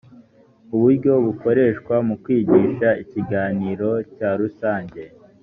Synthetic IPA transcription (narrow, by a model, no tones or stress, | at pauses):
uβuɾɟo̞βuko̞ɾe̞ːʃkwamukwiːɟiːʃaiciɡaːniːɾo̞caːɾusaːɲɟe̞